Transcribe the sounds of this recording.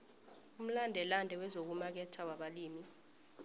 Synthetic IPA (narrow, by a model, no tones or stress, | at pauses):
um̩landʱɛlandʱɛwɛzok̬umak̬ɛtʰawaɓaliːmi